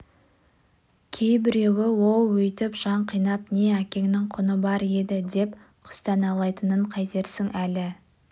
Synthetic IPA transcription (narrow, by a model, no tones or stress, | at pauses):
kʲʰe̞jbɪɾe̞wɪwo̞lˠwɵjt̪ɪpʒ̥ɑɴqʰijnɑpne̞ækʲe̞ŋnɪŋqʰʊnəbɑɾe̞d̪ɪd̪e̞p | qʰʊ̥st̪ɑnɑlˠɑjt̪ənəɴqʰɑjt̪e̞ɾsɪŋælɪ